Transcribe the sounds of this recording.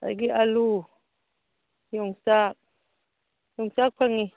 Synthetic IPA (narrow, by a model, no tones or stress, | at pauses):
a̰ɡiʔalu | joŋsak̚ | joŋsak̚pʰaŋi